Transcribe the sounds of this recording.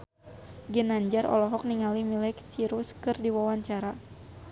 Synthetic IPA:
ɡənaɲd͡ʒaɾɔ̰lɔɦɔk̚niŋalimilɛksiɾuskɨrdiwawaɲt͡ʃaɾa

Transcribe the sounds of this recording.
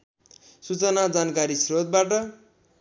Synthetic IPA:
sut͡sʌnad͡zankaɾisrod̪̚baʈʌ

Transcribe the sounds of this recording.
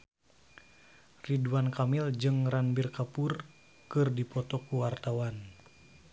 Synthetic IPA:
riduankamild͡ʒɨŋranbirkapur | kɨrdipɔt̪ɔkuwart̪awan

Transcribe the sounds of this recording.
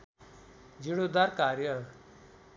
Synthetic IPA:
d͡ʒiɽ̃od̪ɐɾkaːɾjə

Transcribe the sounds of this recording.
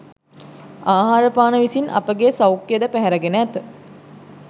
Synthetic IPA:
aːɦaːɾəpaːnəʋisinʔɐ̰pəɡesawkːjəd̪əpæɦæɾəɡenəɛt̪ə

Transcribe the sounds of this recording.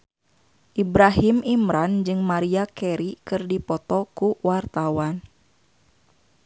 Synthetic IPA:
ʔibɾaɦimimɾand͡ʒɨŋmaɾiakɛɾikɨrdipɔt̪ɔkuwart̪awan

